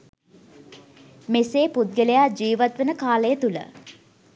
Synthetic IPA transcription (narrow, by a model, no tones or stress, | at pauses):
meseːput̪̚ɡəlejad͡ʒiːʋat̪ʋənəkaːləjət̪ulə̰